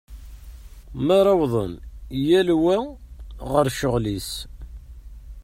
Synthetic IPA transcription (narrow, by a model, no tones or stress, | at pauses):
mæɾˤɑwðˤənjælwæ | ʁəɾʃəʁlis